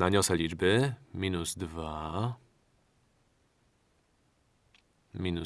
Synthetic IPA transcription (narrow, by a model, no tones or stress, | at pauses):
naɲɔsɛlʲid͡ʒbɘmʲinuzd̪va | mʲinu